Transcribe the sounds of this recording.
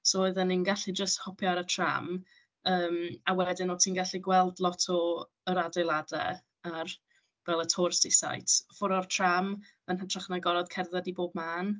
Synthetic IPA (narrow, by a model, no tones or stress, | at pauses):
sooɨðəninɡaɬid͡ʒəsthɔpʰjaɾətʰra̰m | əːmawɛdɪnɔtʰiːnɡaɬiɡwɛlˠdlˠɔtʰɔ | əɾadejlˠadɛ̰ | ar | vɛlˠətʰoːrstisa̰jtʰfʊɾɔrtʰram | ənɦətʰraχnaɡɔɾɔd̥kʰɛrðadiboːbmaːn